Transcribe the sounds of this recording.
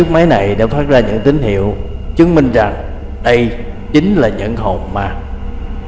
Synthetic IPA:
t͡ɕɨ˦˥ək̚ma˨˦jna˨˩jɗa̰˧˩faː˦˥t̚zaː˧ɲɨ̰˧˥ŋt̪ï˨˦ŋ̟hḭ˧˨əwt͡ɕɨ˨˦əŋmï˧ŋ̟za˨˩ŋ | ɗə˧j | t͡ɕï˨˦ŋ̟laː˨˩ɲɨ̰˧˥ŋɦo̰˧˨˩ŋ͡mmaː˨˩

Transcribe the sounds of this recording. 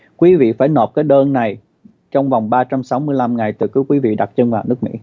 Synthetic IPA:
kwi˨˦vḭ˧˨faː˧˩jno˨˩p̚kaː˨˦jɗəː˧nːa˨˩j | t͡ɕɔ˧wŋ͡mva˨˩wŋ͡mɓaː˧t͡ɕa˧msa˨˦wmɨ˧əjla˧mŋa˨˩jt̪ɨ˨˩əkɨ˨˦wkwi˨˦vḭ˧˨ɗa˨˩t̚t͡ɕə˧nvaː˨˩wnɨ˦˥ək̚mḭ˧˥

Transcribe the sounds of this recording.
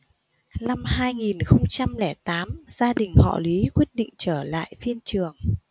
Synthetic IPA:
na˧mhaː˧jŋi˨˩nxə˧wŋ͡mt͡ɕa˧mlɛ˧˩t̪aː˨˦mzaː˧ɗï˨˩ŋ̟hɔ̰˧˨li˨˦kwi˦˥ət̚ɗḭ̈˧˨ŋ̟t͡ɕəː˧˩la̰ː˧˨jfi˧ənt͡ɕɨ˨˩əŋ

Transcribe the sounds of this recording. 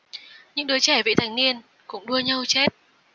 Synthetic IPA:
ɲɨ̰˧˥ŋɗɨ˨˦jt͡ɕɛ˧˩vḭ˧˨t̪ʰa˨˧˩jŋ̟ni˧ən | kʊ̰˧˥ŋ͡mɗu˧əɲə˧wt͡ɕɛ˦˥t̚

